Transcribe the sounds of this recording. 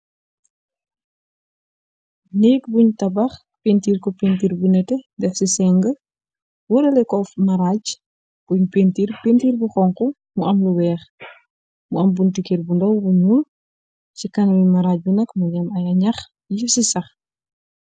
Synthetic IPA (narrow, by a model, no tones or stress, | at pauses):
niːkbuɲtɐbɐx | pentiːrkɔpentiːɾbunɛtɛdɛxsisɛŋɡə | wɔɾɐlɛkɔfmɐɾaːɟ | b̥uɲpentiːɾpentiːrbuxɔŋkɔ | muɐmluwɛːx | muɐmbuntikerbundɔwbuɲul | sikɐnwimɐɾaːɟ̚bunɛkmuɟɐmɐjɐɲɐx | jisisɐx